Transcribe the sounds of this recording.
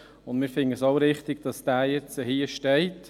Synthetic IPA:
ʊndmɪːɾfɪŋəsoʊɾɪχt̪ɪɡ̥̚d̥ɑsd̥æːjɛt͡səhiəʃtɛɪt

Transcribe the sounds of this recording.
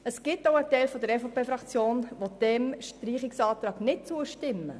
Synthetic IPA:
əsɡ̥ɪtːoʊətɛɪlfɔd̪əɾɛfopʰeːfɾɑkt͡sjoːnʋod̪̥ɛmʃtɾiːχɪksɑːt̪ɾɑːɡnɪt̚t͡suəʃtɪmːə

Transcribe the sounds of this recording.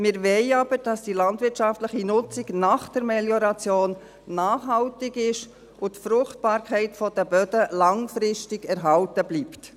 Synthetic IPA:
mɪɾvɛɪɑb̥əɾd̥ɑsd̥ilɑndʋɪtʃɑftləχinʊt͡sɪɡnɑːχd̥əɾmɛljɔɾɑt͡sjoːnː | aːχɦɑltɪɡɪʃ | ʔʊtfɾʊχtb̥ɑːɾkʰɛɪtfɔd̥əbœdəlɑŋfɾɪʃtɪɡɛɾɦɑltəbliːpt

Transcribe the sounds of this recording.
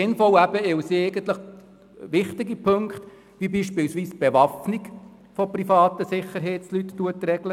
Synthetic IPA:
ɪnfɔlæb̥əɪwsieɪɡənt̪ləχ | ʋɪχt̪ɪɡipʰɵŋkχt̪ | ʋibiːʃpɪlsʋiːsb̥eʋɑfniɡ | fɔprifɑːt̪əsɪχəɾɦeːtt͡slytːuətrɛɡlə

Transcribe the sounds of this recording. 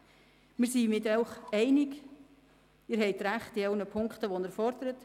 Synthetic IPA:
mɪːɾsimɪtœʊχɛɪnɪk | ɪːɾɦɛɪtɾæχtialnəpʰʊŋkχtəʋonəɾfɔɾd̪əɾət

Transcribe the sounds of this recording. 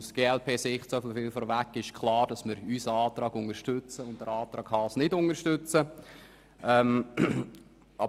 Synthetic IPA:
usɡ̥eːɛlpʰeːsɪχtsɔfəfɪlfɔɾʋækːɪʃkʰlɑːɾd̥ɑsmɪɾysəɑːtɾɑːɡ̥ʊŋəɾʃtʉt͡səʊntd̥əɾɑːtɾɑːkχɑsnɪdʊŋəɾʃtʏt͡sə | ɛm | ɑ

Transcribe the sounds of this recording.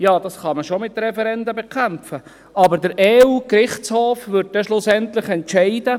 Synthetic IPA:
jɑːd̥ɑsχɑməʃomɪt̪ɾɛfɛɾɛndəbekʰæmfə | ɑbəɾdəɾɛːuːkɾɪχshoːfʋʏɾd̚d̥ɛʃlʊsɛnt̪lɪχɛntʃɛɪd̥ə

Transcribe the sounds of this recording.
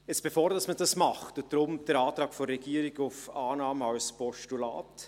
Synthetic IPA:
ɛt͡ssb̥efoːɾdɑsməd̥ɑsmɑχtod̥ɾʊmd̥ɛɾɑːtɾɑːɡfɔɾːɛɡ̥iːəɾɪɡʊfɑːnɑːməɑlspɔʃtula̰ːt

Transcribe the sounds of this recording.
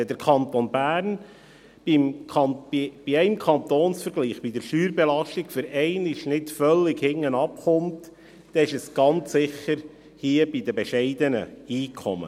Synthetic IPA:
ɛd̪əɾkʰɑnt̪onbæːɾn | bimkʰɑnib̥iɛɪmkʰɑnt̪oːnsfəɾɡliːχb̥id̥̪əɾʃyːɾbɛlɑʃtɪkfʏɾɛɪnɪʃnɪtfœlːɪɡhɪŋːənɑpχʊnt | d̥̪ɛɪʃɛsɡ̥ɑnt͡sːɪχːəɾ | hiəbid̪əbɛʃɛɪd̪ənə̰iːkʰɔ̰mə̰

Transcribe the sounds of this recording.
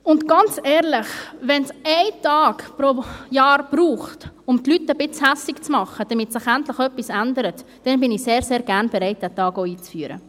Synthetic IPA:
ʊntɡ̥ɑnt͡sɛːɾlɪχʋɛnsɛɪtɑːkpɾojɑːɾb̥ruːχt | ʊmtlytəbɪt͡shæsɪkt͡smɑχəd̥ɐmɪtsɪχæntləχœpːisændəɾət | d̥ɛnbɪniseːɾseːɾɡæʁnbɛɾaɪt̚d̥ætɑːɡoiːt͡sfyːəɾə̰

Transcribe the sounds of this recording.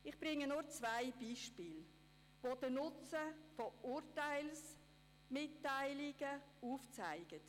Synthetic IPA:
ɪχb̥ɾɪŋənʊɾt͡svaɪb̥iːʃpiːl | vod̥ənʊt͡səfoʊːɾtaɪls | mɪtːaɪlɪɡ̥əuːft͡saɪɡ̥ət

